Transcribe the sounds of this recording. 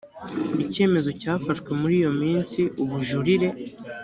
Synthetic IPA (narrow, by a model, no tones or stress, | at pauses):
ice̞ːme̞zo̞caːfaʃkwe̞muɾiːjo̞miːnsiuβuʒuɾiɾe̞